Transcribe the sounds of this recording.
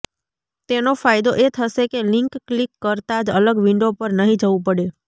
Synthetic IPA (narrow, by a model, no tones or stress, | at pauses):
t̪enofajd̪oʔet̪ʰəʃekelɪŋkːlikːəɾt̪ad͡ʒələɡʋɪɳɖopəɾnəɦĩd͡ʒəʋũpəɽe